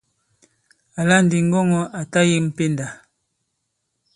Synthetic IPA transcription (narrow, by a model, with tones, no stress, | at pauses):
a˨la˦n̩˨di˨ŋ̩˦ɡɔ˦ŋɔ˦ʔa˨ta˦ji˦m̩˨pe˦˨nda˨